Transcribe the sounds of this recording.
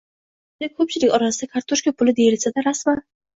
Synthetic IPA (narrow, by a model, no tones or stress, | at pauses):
nɪkʲʰɵp̚t͡ʃʰɪlɪkʲɒɾasɪd̪akʰaɾt̪ʰoʃkapʰʊlɪd̪e̞jɪlsad̪aɾasman